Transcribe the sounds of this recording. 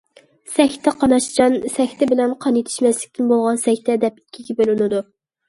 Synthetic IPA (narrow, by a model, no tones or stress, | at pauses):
sɛxʲt̪ʰɛqʰɑnɑʃd͡ʒɑnsɛxʲt̪ʰɛbɪlɛnqʰɑnjet̪ʰɪ̥ʃmɛslɪkʲt̪ʰɪnbolˠʁɑnsɛxʲt̪ʰɛd̪ɛpɪ̥kʲʰːiɡʲɛbølɪnɪd̪u